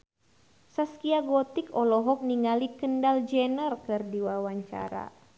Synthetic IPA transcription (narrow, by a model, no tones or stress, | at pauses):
saskiaɡɔt̪ikɔlɔɦɔk̚niŋalikəndald͡ʒɛnərkɨrdiwawaɲt͡ʃa̰ɾa̰